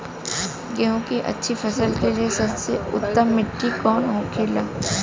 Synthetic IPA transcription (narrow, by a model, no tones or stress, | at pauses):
ɡɛɦõkiʔɐ̰tːʃʰifɐsəlkeliesɐbseʊ̰t̪ːəmːɪʈːikɔːnɦoːkʰeːlaː